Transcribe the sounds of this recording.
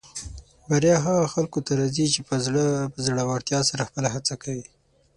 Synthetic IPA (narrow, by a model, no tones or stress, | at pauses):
baɾjɑɦaɣaxalkot̪aɾɑzit͡ʃepəzɽpəzɽawaɽt̪jɑsaɾaxpəlaɦat͡sakawi